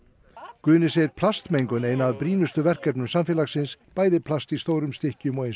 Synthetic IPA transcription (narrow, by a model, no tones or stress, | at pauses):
kʏːnɪsejɾpʰlast̪mejŋkʏneːjnaːðpɾiːnʏst̪ʏvɛr̥kɛpnʏmsamfɛːlasɪnspaːjðɪpʰlast̪ist̪owɾʏmst̪ɪhcʏmɔɣejns